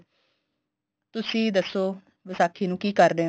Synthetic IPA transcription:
t̪ʊsĩːd̪əsːoː | ʋəsaːkʰːiːnũːkiːkəɾd̪eː

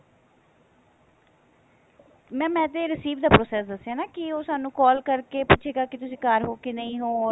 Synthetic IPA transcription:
mɛ̃ːmɛ̃ːt̪eːɾɪsiːʋd̪aːpɾoːsɛːsd̪əsːeaːnaːkɪoːsaːnũːkɔːlkəɾkeːpʊːʃʰeːɡaːkɪt̪ʊsĩːkaːɾɦoːkɪnəĩːɦoːɔː

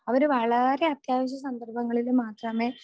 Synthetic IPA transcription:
ɐʋɐɾuʋɐɭɐɾe̞ɐt̪jaːʋɐɕ̬jɐsɐnd̪ɐrbʱɐŋːɐɭilumaːt̪rɐme̞ː

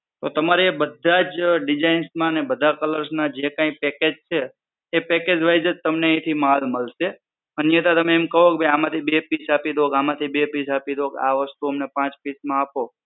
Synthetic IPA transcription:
t̪ot̪əmaɾebəd̪ʱad͡ʒɖɪd͡ʒainsmãnebəd̪ʱakələɾsnad͡ʒekãĩpɛked͡ʒt͡ʃʰeː | pɛked͡ʒʋajd͡ʒət̪əmneə̃ĩt̪ʰimalməlʃe | ənjət̪at̪əmẽːmkəɦokebʱəjamãt̪ʰibepisapid̪ʱokamãt̪ʰibepisapid̪ʱokaʋəst̪uəmnepãt͡ʃpismãapo

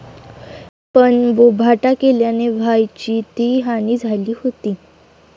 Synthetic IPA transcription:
pəɳʋobʱaʈakeljaneʋ̤ʱajt͡ɕiːt̪iɦaniːd͡zʱaliːɦot̪iː

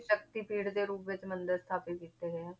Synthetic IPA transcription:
ʃəkt̪iːpiːɽd̪eːɾuːpʋɪt͡ʃmənd̪əɾst̪ʰaːpekiːt̪eːɡɛ

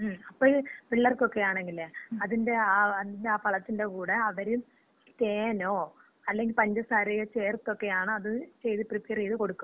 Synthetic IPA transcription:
ɐpːoːpiɭːɐrko̞kːe̞jaːɳe̞ŋɡilːeɐðinde̞aːɐðindeaːpɐɭɐt̪ːinde̞kuːɽeɐʋɐɾi | t̪eːno̞ː | ɐlːe̞ŋɡilpɐɲd͡ʑɐsaːɾijɐt͡ɕeːrt̪ːo̞kːe̞jaːɳɨɐðɨt͡ɕe̞jðɨpripːeɐrijðɨko̞ɽukːu

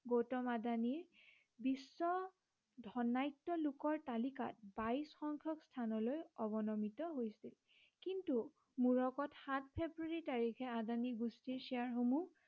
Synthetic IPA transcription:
ɡotɔmadaniɹ | bisːɔ | dʱɔnajtːɔlukɔɹtalika̰t̚baisxɔŋkʰjɔkstʰanɔlojɔbɔnɔmitɔɦojsil | kintu | muɹɔkɔtxatʰpʰebɹuaɹitaɹikʰɛadaniɡustiɹsijaɹɦomu

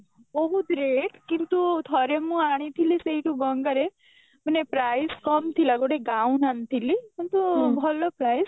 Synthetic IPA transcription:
bɔɦud̪ɾeʈkint̪ut̪ʰɔɾemũaɽ̃it̪ʰiliseiʈũɡəŋɡəɾe | mənepɾajskɔmt̪ʰilaɡoɽeɡaũnant̪ʰilikint̪ubʱɔlopɾaːjs

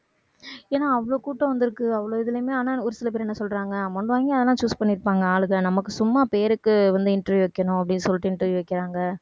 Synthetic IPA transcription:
eːnaːɐʋɐɭoːkuːʈːɐ̃ʋɐnd̪ɪɾɯkːɯɐʋːɐɭoːɪðɯlɐmeːaːnaːʊɾɯsɪlɐpeːɾɛnːɐsɔlɾaːŋɡɐɐmɔɳɖɯʋaːŋɡiɐðɐlãːt͡ʃuːspɐɳːɪɾɯpːaːŋɡɐaːɭɯɣɐnɐmɐkːɯsʊmːaːpeːɾɯkːɯʋɐnd̪ɯɪɳʈɾɐʋɪʋɐkːɐɳʊ̃ɐpːɐɽɪnːɯsɔlːɪʈːɯɪnʈːɐʋɪʋɐkːɪɾaːŋɡɐ

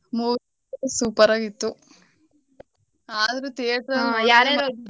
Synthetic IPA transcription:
muː | suːpɐɾaːɡit̪ːu | aːd̪ɐɾut̪eːʈɾɐaɾɐ

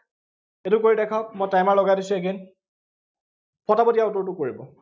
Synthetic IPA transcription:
etʊkoɹidɛkʰɔk̚mojtajmaɹlɔɡadisueɡen | pʰɔtapɔtijaʊtɔɹtʊkoɹibɔ

